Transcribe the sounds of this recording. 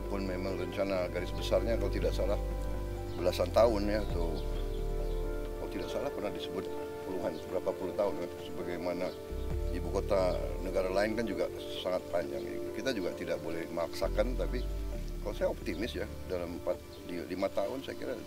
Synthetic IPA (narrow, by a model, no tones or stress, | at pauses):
pʊnmemaŋrəɲt͡ʃanaɡaɾɪsbəsarɲakalot̪idaʔsalah | bəlasant̪aʊnjat̪u | kalot̪idaʔsalahpərnahdisəbʊt̪̚ | puluɦanbəɾapapulʊht̪aʊnasəbaɡajmana | ibukot̪anəɡaɾalaɪnkand͡ʒuɡa | saŋat̪̚paɲd͡ʒa̰ŋ̰kit̪ad͡ʒuɡaʔt̪idaʔ̚bolɛhmaksakant̪apikalosajaɔp̚t̪imɪsja | dalampat̪̚ | lilimat̪aʊnsajakiɾa̰